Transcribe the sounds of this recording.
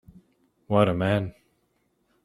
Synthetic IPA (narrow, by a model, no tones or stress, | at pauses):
wʌɾəmæn